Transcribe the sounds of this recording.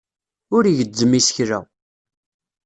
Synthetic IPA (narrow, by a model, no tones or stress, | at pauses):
ʊɾiʝəd͡zːəmːisə̥çɾæ̰